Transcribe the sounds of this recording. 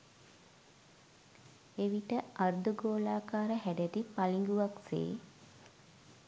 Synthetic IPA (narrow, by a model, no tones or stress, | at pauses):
eʋiʈəard̪uɡoːlaːkaːɾəɦæɖæt̪ipaliŋɡuʋaksḛː